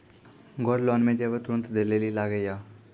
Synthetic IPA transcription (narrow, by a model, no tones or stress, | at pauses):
ɡʱɔɾlɔnmẽd̪eʋət̪ɾunt̪d̪eleliːlaɡəja